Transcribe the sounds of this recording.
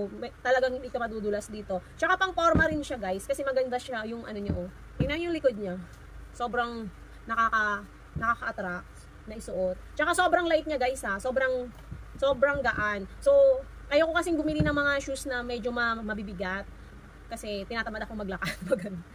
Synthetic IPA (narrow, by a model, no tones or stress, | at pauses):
mt̪ɐlɐɡaŋɪɪkɐmɐd̪ud̪ʊlɐsd̪iːt̪o̞t͡ʃɐkapɐŋpoɾmɐɾɪnʃaɡajskɐsɛmɐɡɐnd̪aʃajʊŋʔɐ̰no̞ɲaʔo | ɪnɐŋjʊŋlɪko̞d̪̚ɲa | so̞ːbɾɐŋ | nɐkakɐ | nɐkakɐʔɐt̪ɾak̚t̪̚ | nɐʔɪsʊʔo̞t̪̚t͡ʃɐkaso̞ːbɾɐŋlajt̪̚ɲaɡajshaso̞bɾɐŋ | so̞ːbɾɐŋɡ̪ɐʔanso̞ | kɐjokokɐsɪŋɡbʊmilinɐŋmɐŋaʃusnɐmɛd͡ʒo̞mɐmɐbibɪɡat̪̚ | kɐsɛt̪ɪnaːt̪ɐbad̪ɐkoŋmɐɡ̚lɐkat̪mɐɡɐn